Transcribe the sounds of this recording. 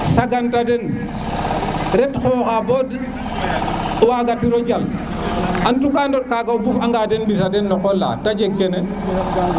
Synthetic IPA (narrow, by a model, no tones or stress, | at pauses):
saɡantadɛn | ɾɛtxɔːxabɔd | waɡatiɾɔd͡ʒal | ʔantukandɔkaɡaobufaŋɡadɛnbis̬adɛnːɔkɔlːa̰tad͡ʒekːɛnɛ